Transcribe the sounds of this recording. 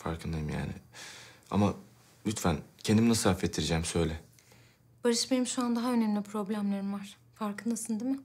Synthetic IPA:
fa̰ɾkʰɯnd̪ajɯmja̰ːnɪ̰ | a̰ma | lʲyt̪fæncʰend̪iminasɯafɛt̪ʰːiɾid͡ʒɛːmsø̞jlʲɛ | b̥aɾɯʃbenimʃuand̪aɦaø̞nemlʲipʰɾo̞blʲæmlˠaɾɯmvaɾ̥ | faɾkɯnd̪asɯnd̪imɪ

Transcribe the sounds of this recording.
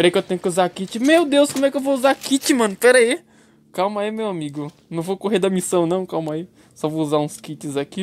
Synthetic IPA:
ppɛɾaikewt̪ẽɲ̃ʊkɪuzakit͡ʃɪmewd̪ewskomʊɛkɪewvouzakit͡ʃɪmɐ̃nʊpɛɾai | kawmaimewamiɡʊnɐ̃w̃vokoɦeɾd̪ɐmisɐ̃w̃nɐ̃w̃kawmɐi | sɔvouzaũskit͡ʃɪzaki

